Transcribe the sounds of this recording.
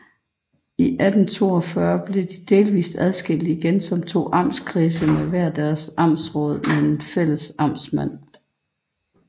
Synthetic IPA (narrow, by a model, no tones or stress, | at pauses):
iʔæd̥n̩t͡sʰo̝̰ːɒfɶɐb̥le̝d̥id̥e̝ːlʋḭːsd̥æð̞ˠsɡ̥el̰iiɡ̥ensɒ̽mt͡sʰo̝̰ːʔɑ̈m̰skʰʁiːsəmeʋæɐ̰d̥æɐsɑ̈m̰sʁɔ̽ːð̞̩̰ˠmeenfel̰əsɑ̈msmæn̰